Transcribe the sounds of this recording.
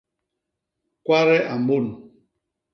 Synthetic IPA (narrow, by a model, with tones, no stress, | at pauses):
kwa˦ɾɛ˦ʔa˨mbo˦˨n